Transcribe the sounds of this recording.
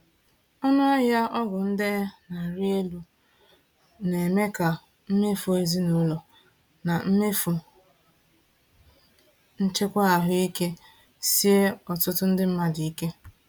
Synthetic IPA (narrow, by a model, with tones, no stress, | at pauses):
ɔ˦nʊ˦a˦ja˦ɔ˦ɡʊ˨n̩˦de˦na˨ɾe˦lu˨ | ne˨me˦ka˨ | m̩˦me˦fo˨e˨zi˦no˦lo˨ | na˨m̩˦me˦fʊ˨ | n̩˦t͡ʃe˦kʷa˦a˨ɦʊ˦i˦ke˦ | si˦e˦ɔ˨tʊ˦tʊ˦n̩˦dɪ˦m̩˦ma˨di˨i˦ke˦